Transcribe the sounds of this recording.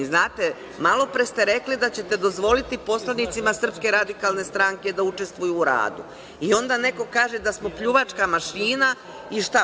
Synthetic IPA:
znaːt̪e | malo̞pɾest̪e̞ɾe̞klid̪at͡ɕe̞t̪e̞d̪o̞zʋo̞lit̪ipo̞slanit̪simasr̩pske̞ɾad̪ikaːlˠne̞st̪ɾaŋke̞d̪aut͡ʃe̞st̪ʋujuːɾa̰ːd̪ṵ | io̞nd̪ane̞ko̞kaːʒe̞d̪asmo̞pʎuʋat͡ʃkamaʃiːna | iʃt̪a

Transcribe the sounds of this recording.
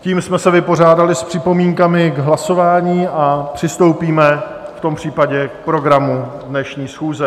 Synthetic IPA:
ciːmsmɛsɛvɪpo̞r̝aːdalɪspr̝̥ɪpo̞miːŋkamɪɡɦlaso̞vaːɲiːapr̝̥ɪst̪o̞wpiːmɛ | ft̪o̞mpr̝̥iːpaɟɛk̚pɾo̞ɡɾamudnɛʃɲiːsxuːzɛ

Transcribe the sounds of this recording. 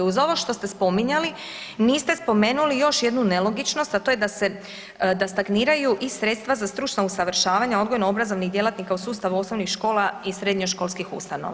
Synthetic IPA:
uzo̞ʋo̞ʃt̪o̞st̪e̞spo̞miɲali | niːst̪e̞spo̞me̞ːnulijo̞ʃje̞d̪nunelo̞ɡit͡ʃno̞st̪at̪o̞ːje̞d̪ase | d̪ast̪aɡniːɾajuʔisɾe̞t̪st̪ʋazast̪ɾut͡ʃnausaʋɾʃaːʋaɲaod̪ɡojnoobɾazo̞ʋnixd̪je̞lat̪nikausuːst̪aʋuo̞sno̞ʋnixʃko̞ːlˠaisɾe̞d̪ɲoʃko̞lˠskixṵst̪ano̰ʋa

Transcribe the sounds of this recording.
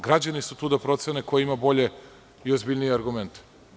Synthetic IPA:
ɡɾad͡ʑanisut̪uːd̪apɾo̞t̪senekojeimabo̞ʎe̞ | iozbiʎnijeaɾɡument̪e̥

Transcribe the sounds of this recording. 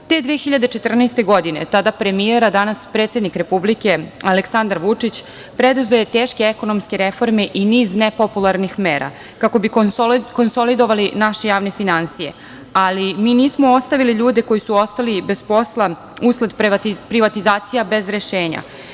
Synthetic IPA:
t̪e̞d̪ʋiexiʎad̪e̞t͡ʃet̪r̩nɛst̪e̞ɡo̞d̪ine̞̰t̪ad̪apɾe̞mieɾad̪anaspɾet̪sʲe̞d̪nikɾe̞publike̞aleksand̪aɾʋut͡ʂit͡ɕ | pɾed̪uzʋoje̞t̪eːʃke̞eko̞nomskeɾe̞fo̞ɾme̞ʔiniːznepopulˠaɾnixmeːɾʔa̰ | kako̞biko̞nso̞lid̪o̞ʋalinaʃejaːʋne̞finansije̞̰ | alimiːniːsmoost̪aʋiliʎuːd̪e̞ko̞jisuo̞st̪alibe̞spo̞slˠa | uskled̪p̪pɾiʋat̪izaːt̪sijabe̞zɾe̞ʃeːɲa̰

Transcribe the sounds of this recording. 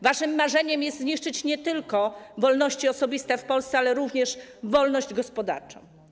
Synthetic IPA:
vaʂɘmːaʐɛɲɛmjɛst̪zɲiʂt͡ʂɘt͡ɕɲɛt̪ɘlkɔvɔlnɔɕt͡ɕiɔsɔbʲist̪ɛfpɔlst̪sɛalɛɾuvɲɛʂvɔlnɔʑd͡ʑɡɔspɔd̪a̰ɾt͡ʂɔ̰̃w̃

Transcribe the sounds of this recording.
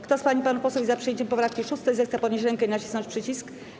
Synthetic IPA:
kt̪ɔspaɲipanupɔswuvʲizapʂɛjɛɲt͡ɕɛmpɔpɾafkʲiʂust̪ɛzɛsapɔd̪ɲeɕ̬ɾɛŋkɛinat͡ɕisnɔ̃nt͡ɕpʂɘt͡ɕisk

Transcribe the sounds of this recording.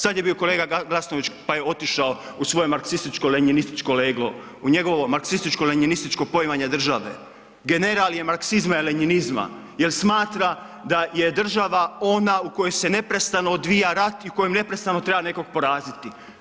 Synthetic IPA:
sad̪je̞bio̞kole̞ːɡaɡlˠasno̞ʋit͡ʃpaje̞o̞t̪iʃao | usʋojemaɾksist̪it͡ʃko̞leɲinist̪i̥t͡ʃkole̞ːɡlo̞ | uɲe̞ɡo̞ʋo̞maɾksist̪it͡ʃkoleɲinist̪it͡ʃko̞po̞imaɲe̞d̪r̩ʒaʋe̞̰ | ɡene̞ɾaljemaɾksizmaileɲinizma̰ | jelsmaːt̪ɾa | d̪aje̞d̪r̩ʒaʋao̞naukojo̞jse̞ne̞pɾe̞st̪anood̪ʋijaɾat̪iuko̞jemne̞pɾest̪ano̞t̪ɾe̞bane̞ko̞ɡ̚po̞ɾaːzit̪i

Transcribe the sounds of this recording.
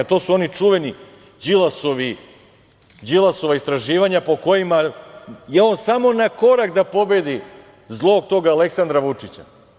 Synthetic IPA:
t̪o̞ːsuo̞nit͡ʂuʋe̞ni | d͡ʑilˠaso̞ʋi | d͡ʑilˠaso̞ʋaist̪ɾaʒiːʋaɲapo̞ko̞jimajeo̞nsamo̞nako̞ɾakd̪apo̞be̞d̪i | zlˠo̞ːɡ̚t̪o̞ːɡaːle̞ksand̪ɾaʋut͡ʂit͡ɕa̰

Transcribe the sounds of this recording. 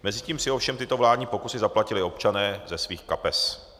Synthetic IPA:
mɛzɪciːmsɪofʃɛmt̪ɪt̪ovlaːdɲiːpo̞kusɪzaplacɪlɪo̞pt͡ʃanɛːzɛsviːxkapɛs

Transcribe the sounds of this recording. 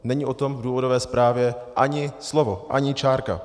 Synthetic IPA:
nɛɲiʔo̞t̪o̞mvduːvo̞dovɛːspɾaːvjɛʔaɲɪslovoʔaɲɪt͡ʃaːɾka̰

